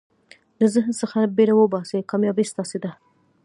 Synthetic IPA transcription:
ləzəɦnsəxabeɾawəbɑsekɑmjɑbist̪ɑsed̪a

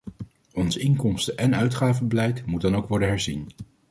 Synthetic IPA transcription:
ɔnsɪŋkɔmstəʔɛnœɥtχaːvəbəlɛjtmut̚dɑnowkʋɔɹdənɦɛɹzḭn

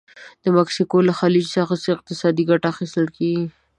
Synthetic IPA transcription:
d̪̥əmaksikolaxɑlid͡ʒsɑxasəɪq̚t̪ɪsɑd̪iɡaʈaːxist̪əlkeɡi

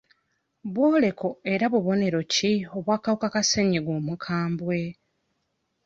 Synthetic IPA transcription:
βwoːle̞ko̞e̞ɾaβuβo̞ne̞ɾo̞cio̞βwaːkaβukakaseɲeɡwomukʰaːmbwe̞

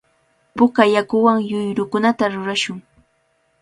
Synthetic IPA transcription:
pʊkajakʊwaŋjʊjɾʊkʊnat̪aɾʊɾaʃʊŋ

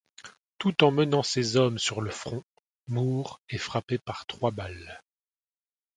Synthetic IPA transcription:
t̪ut̪ɑ̃mənɑ̃sezɔmsyʁləfχɔ̃ | muːʁefχapepaʁt̪χwabal

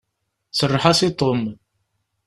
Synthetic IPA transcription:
sərˤːħasit̪ˤom

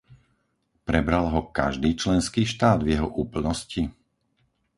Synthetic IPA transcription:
pɾɛbɾalɦɔka̰ʒd̪iːt͡ʃlɛnskiːʃt̪aːd̪vjɛɦɔʔuːpl̩nɔsci

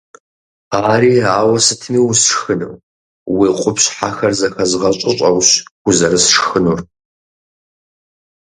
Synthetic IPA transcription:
aːɾiːaːwɐsɨtʰmiːwsʂxɨnɨ̰w | wiːqʷʼʊpɕħaxɐrzɐxɐzɨʁɐɕʼɪɕʼɐwɕɡ̥ʷʊzɐɾɨsʂxɨnuːr

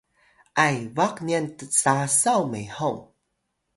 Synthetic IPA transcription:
ʔajvakniəntət͡sasawmejhoŋ

